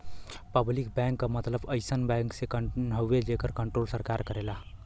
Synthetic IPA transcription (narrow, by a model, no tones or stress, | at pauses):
pəblik̚bɛ̃ŋkːamət̪ləbəɪsənbɛ̃ŋksekənɦəwed͡ʒekəɾkəɳʈɾolsəɾkaɾkəɾela